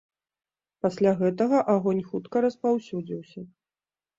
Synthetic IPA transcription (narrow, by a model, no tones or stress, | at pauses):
pasʲlʲaɣɛt̪ɐɣɐʔaɣɔnʲxut̪kɐɾɐspawsʲud͡zʲiwsʲɐ